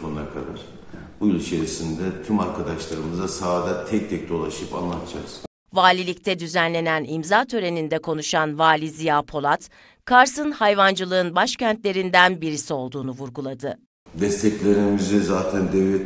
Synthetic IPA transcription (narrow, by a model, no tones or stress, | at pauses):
onnakʰad̪a̰ɾ̥ | bujulˠit͡ʃʰe̞ɾisind̪ɛt̪ʰymaɾkʰad̪aʃlˠaɾɯmɯzasaːd̪at̪ʰɛc̚t̪ʰɛc̚d̪o̞lˠaʃɯpa̰nlˠat̪ʰd͡ʒaz̥ | vaːlʲilʲic̚t̪ʰɛd̪yzænlʲe̞nænimzaːt̪ʰø̞ɾe̞nind̪ɛkʰo̞nuʃanvaːlʲizijapʰo̞lˠat̪ | kʰaɾsɯnhajvand͡ʒɯlˠɯɯnbaʃcænt̪lʲe̞ɾind̪ænbiɾisio̞lˠd̪uːnuvuɾɡulˠad̪ɯ | bɛst̪ʰɛclʲeɾimyzɛzaːt̪ʰɛnd̪ɛvlʲɛ